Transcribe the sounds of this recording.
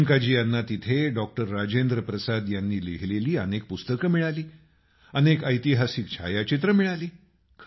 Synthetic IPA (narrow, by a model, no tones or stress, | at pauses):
ŋkad͡ʑiːjanːat̪it̪ʰeɖɔk̚ʈəɾːad͡ʑend̪ɾəpɾəsad̪janːiːleɦleliːənek̚pust̪əkəmiɭaliː | ənekəjt̪iɦasikt͡ɕʰa̰jat͡ɕit̪̬ɾəmiɭaliː | kʰ